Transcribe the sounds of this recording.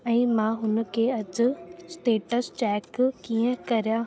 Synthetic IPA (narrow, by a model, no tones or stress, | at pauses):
ɛ̃ːmãɦʊn̆kʰeːɐd͡ʑʊsʈeːʈəst͡ɕɛːkkiə̃kɐɾija